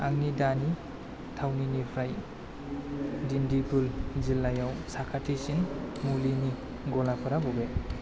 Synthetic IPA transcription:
aŋnidani | tʰawninipʰɾaj | dindibulzilːajawsakʰatʰisinmulini | ɡɔlapʰɯɾabɔbe

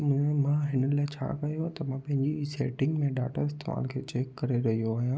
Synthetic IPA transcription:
mʊ̃ɦẽmãɦɪnəlaːɪt͡ɕʰa̰ːkɐjoɦat̪ɐmãpɐ̃ɦɪ̃ɲd͡ʑiseːʈɪ̃ŋɡmẽɖaːʈa̰ɪst̪emã̰lkʰeːt͡ɕeːkːɐɾeɾɐɦijoaːɦijãː

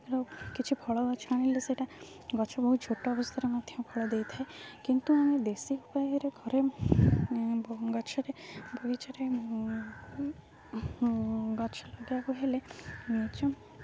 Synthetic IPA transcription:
ɾɔkit͡ʃʰibʰʱɔɭɔɡɔt͡ʃʰaɽ̃ileseʈa | ɡɔt͡ʃʰɔbɔɦud͡ʒʰʱoʈːɔːbɔst̪ʰaɾɔmad̪ʱjɔ̃bʱɔɭɔd̪ejt̪ʰaekint̪uamed̪esiupajɔɾeɡʱɔɾe | bɡɔt͡ʃʰɔɾebʱɔɡit͡ʃɔɾe | ɡɔt͡ʃʰɔlɔɡeakuɦelemet͡ʃɔ

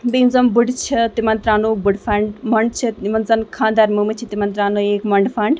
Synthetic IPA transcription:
beːnzɐmbuɽt͡ʃʰit̪imɐnt̪ɾaːnuːbuɽfɐɳɖmɐɳɖ̚t͡ʃʰiimɐnzɐnkʰãːnd̪aːɾmumit͡ʃʰit̪imɐnt̪ɾaːnoːeːkmɐɳɖfaɳɖ

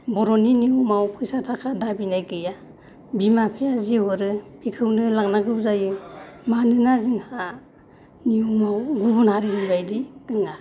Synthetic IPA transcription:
bɔɾɔniniumawpʰɯjsatʰakʰadabinajɡɯja | bimapʰijaziwɔɾɯb̥ikʰɯwnɯlaŋnaɡɯwzajɯmanɯnaziŋha | niumawɡubunhaɾinibajdiɡɯŋa

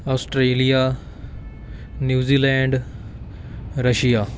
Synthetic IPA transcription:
aːsʈɾeːlija | njuːziːlɛ̃ːɳɖ | ɾəʃijaː

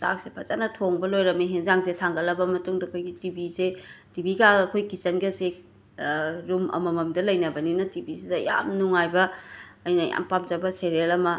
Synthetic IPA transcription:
sa̰k̚sepʰɐzanɐtʰoŋbɐlojɾɐmeɦenzaŋsetʰaŋɡɐlɐbɐmɐtuŋdɐkʰojɡitibisetibiɡaɡɐːkʰojkisɐnɡɐse | ɾumɐ̰mɐmɐmdɐlɐjnɐbɐninɐtibisidɐja̰mnuŋajbɐːjnɐja̰mpamzɐbɐseɾelɐmɐ

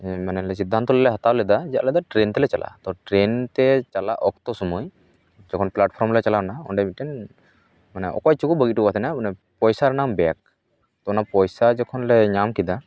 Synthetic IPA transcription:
manɛlɛsid̪ʱːant̪ɔlɛlɛɦat̪alɛd̪ad͡ʒɛaʔlɛd̪aʈɾent̪ɛlɛt͡ʃalʔa̰t̪ɔʈɾɛnt̪ɛt͡ʃalaʔɔkt̪ɔsɔmuj | d͡ʒɔkʰɔnplaʈpʰɔɾmlɛt͡ʃalanaɔɳɖɛmit̪̚ʈɛn | manɛʔɔ̰kɔjt͡ʃukubəɡit̪̚ːukat̪ʰɛnamanɛ | pɔjsaɾnambɛak̚ | t̪ɔnapɔjsad͡ʒɔkʰɔnlɛɲamkid̪a

